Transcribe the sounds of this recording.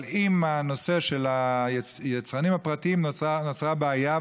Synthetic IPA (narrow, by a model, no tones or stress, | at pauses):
imano̞se̞ʃelajet͡sʁanimhapʁat̪iimnot͡sʁabeaja